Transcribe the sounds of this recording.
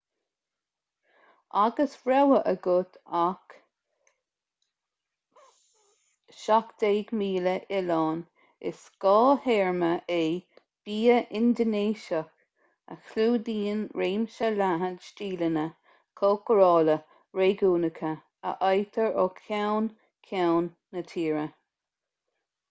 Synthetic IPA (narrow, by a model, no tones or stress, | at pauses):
aɡəsɹɛwəʔəɡʊt̪ʰak | ʃakd̪̥eːɡmiːləʔɪlɑːn | ɪ̰skɑːheːɹməʔe | b̥iːəʔɪnd̪əneːʃək | ə̰xluːd̪iːnɹeːmʃəlaɦədʃtiːlənə | kʰoːkəɾɑːlə | ɹeːɡuːnəkʰə | ə̰ʔɑjt̪ʰəɹokʰawn | kʰawnːət̪ʰiːɹə